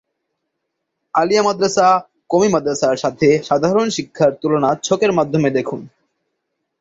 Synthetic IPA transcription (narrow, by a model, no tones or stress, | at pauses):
alijamad̪ɾasa | komimad̪ɾasaɾʃat̪ʰeʃad̪ʱaɾonʃikʰːaɾt̪ulonat͡ɕʰokeɾmad̪ʱːomed̪ekʰun